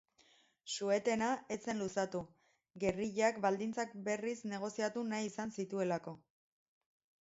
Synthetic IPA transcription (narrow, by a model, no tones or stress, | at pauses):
sue̞t̪e̞nae̞t͡se̞nlusat̪u | ɡe̞riʎakbald̪int͡sak̚be̞risne̞ɣ̞o̞siat̪unajisansit̪ue̞lako̞